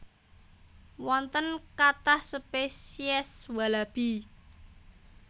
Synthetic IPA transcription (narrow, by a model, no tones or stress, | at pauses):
wɔnt̪ənkat̪ahsəpesiɛswalab̥i